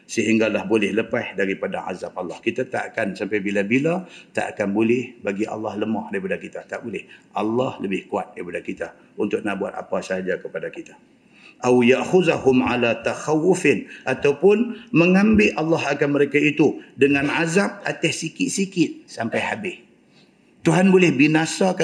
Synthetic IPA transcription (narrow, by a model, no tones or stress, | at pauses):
səɦiŋɡalahbolɛhləpahdaɾipadaʕa̰zap̚alːɑhkit̪at̪aʔkansampajbilabilat̪a̰ʔakanbolɛhbaɡiʔa̰lːɑhləmɔhdaɾipadakit̪at̪aʔbolɛhʔɑlːɑhləbɪhkuat̪̚daɾipadakit̪a | unt̪ʊk̚nahbuat̪̚a̰pasaad͡ʒakəpadakit̪ḁ | ʔawjaʔxʊðahʊmʕa̰lat̪axawːʊfɪnʔat̪awpʊnməŋãmbɪlʔalːɑhakanməɾekait̪udəŋãnʕazap̚at̪ahsikɪt̪̚sikɪt̪̚sampajhabɪh | t̪uɦanbolɪhbinãsak